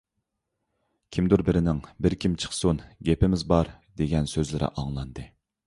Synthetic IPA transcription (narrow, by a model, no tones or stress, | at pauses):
kʲʰimd̪uɾbɪɾɪnɪŋbɪɾkʲʰimt͡ʃʰə̥χsunɡʲepɪmɪzbɑɾd̪eɡʲɛnsøzlɪɾɪ̰ʔɑŋlˠɑnd̪ɨ